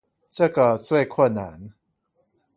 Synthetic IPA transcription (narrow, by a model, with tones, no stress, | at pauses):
ʈ͡ʂə˥˨ɡə˨t͡swe˥˨ɪkʰwə˥˨nːa̰˨˦n